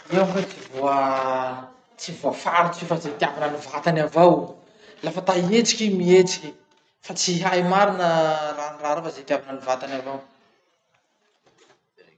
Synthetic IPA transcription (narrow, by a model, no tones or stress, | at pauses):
iwãfat͡sivoə | t͡sivoəfaɾit͡sifazet̪iavanənivat̪anavaw | lafət̪aiet͡si̥kʲimiet͡si̥kʲi̥ | fat͡siɦajmaɾinəraniraɾafazet̪iavanənivat̪anavow